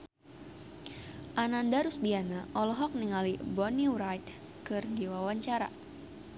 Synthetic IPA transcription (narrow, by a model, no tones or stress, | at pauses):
ʔanandaɾusdianaʔɔlɔɦɔk̚niŋalibɔnuɾajt̪ | kɨrdiwawaɲt͡ʃaɾa̰